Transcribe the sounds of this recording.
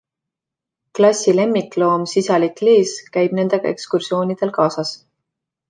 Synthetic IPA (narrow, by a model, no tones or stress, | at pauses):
klɑsʲile̞mːit̪lo̞ːmsisɑlikleːskæjb̥ne̞nd̪̥e̞ɡ̥ɑ̰e̞̰kskursio̞ːnʲid̪̥e̞lkɑːsɑs